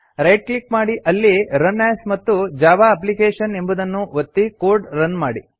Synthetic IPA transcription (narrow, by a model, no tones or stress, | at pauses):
ɾɐjʈ̚klikmaːɽiʔɐlːiɾɐnːɛːsmɐt̪ːud͡ʒaːbaːɐp̬likeːʂɐne̞mbud̪ɐnːuʋɐt̪ːikoːɾɖɾɐnmaːɽi